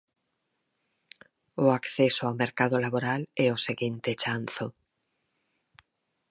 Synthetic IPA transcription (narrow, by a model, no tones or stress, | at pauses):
oakθesoawmeɾkaðolaβoɾalɛoseɣent̪et͡ʃanθo